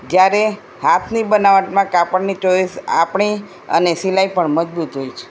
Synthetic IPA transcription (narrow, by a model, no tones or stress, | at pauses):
d͡ʒjaɾe | hat̪ʰnibənaʋəʈmãkapəɳnit͡ʃoisa̰pɳi | ə̰nesilaipəɳməd͡ʒbut̪ɦojt͡ʃʰe̥